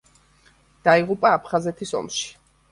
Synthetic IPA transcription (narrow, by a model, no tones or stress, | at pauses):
d̪̥aiʁupʼaːpʰχazɛt̪ʰisɔ̰mʃi̥